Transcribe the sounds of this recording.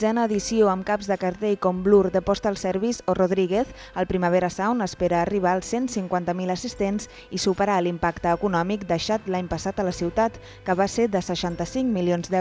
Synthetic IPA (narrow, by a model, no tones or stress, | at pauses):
zɛnəːðisioəmkabzðəkəɾt̪ejkɔmblurd̪əpɔst̪əːlˠsɛɾβizoroðɾiɣ̞eθ | əlˠpɾiməβ̞eɾəsawnəspeɾəːriβ̞aːlˠsensiŋkwant̪əmiləsist̪ens | isupəɾalimpakt̪əːkunɔmik̚d̪əʃat̪laɲpəsat̪ələsiwt̪at̪ | kəβased̪əsəʃant̪əsiŋkmilionzd̪ɛ